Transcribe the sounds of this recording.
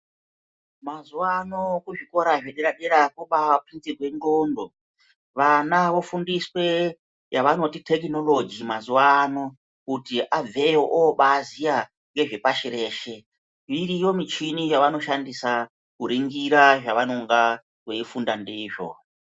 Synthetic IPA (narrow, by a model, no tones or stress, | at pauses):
mazuwano̞kuʐiko̞ɾaʐeɗeɾaɗeɾakoɓawaprint͡siɡʱwe̞ŋɡondo̞ | ʋanaʋo̞fundiswe̞ | jaʋano̞titʰe̞kino̞lo̞d͡ʒimazuwano̞ | kutiʔab͡vʱe̞joʔoɓaːzija | ŋɡe̞ʐe̞paʃiɾe̞ːʃe̞ | ʋiɾijo̞mit͡ʃinijaʋano̞ʃandisa | kuɾiŋɡiɾaʐaʋanoŋɡa | we̞ifundandeiːʐo̰